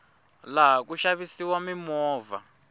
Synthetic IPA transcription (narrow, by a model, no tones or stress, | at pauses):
laɦakuʃaβisiwamimɔːva̰